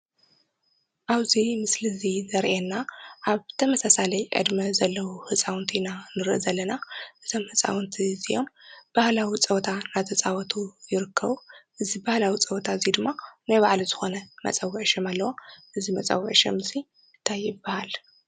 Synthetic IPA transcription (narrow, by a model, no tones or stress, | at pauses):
ʔaβzimɨslɨzizɐɾʔenːaʔaβt̪ʰɐmɐsasalɐjʔʼɨ̰d̪mɐzɐlːɐwuhɨt͡sʼawnt̪ʰinanɨɾʔɨzɐlːɐnaʔɨzʰomhɨt͡sʼa̰wnt̪ʰizijo̞mb̥ahlawit͡sʼɐwt̪ʰanat̪ʰɐt͡sʼawɔt̪ʰujɪɾɨkʰːɐβuʔɨzibahlawit͡sʼɐwt̪ʰaɨzid̪ɨmːanajβaʕlizɨxo̞nɐmɐ̰t͡sʼɐwːʕʃɛmalːɐwoʔɨzimɐt͡sʼa̰wːʕʃɐ̰mɨsi | ɨnt̪ʰajːɪbːahal